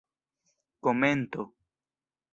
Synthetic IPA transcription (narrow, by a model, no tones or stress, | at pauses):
komẽnt̪o